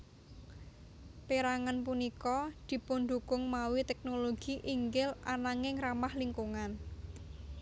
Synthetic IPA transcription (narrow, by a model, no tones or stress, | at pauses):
peɾaŋanpunikɔd̪̥i̤pund̪ukʊŋmawit̪ɛk̚noloɡ̥iʔiŋɡɪlʔanaŋɪŋramahliŋkuŋan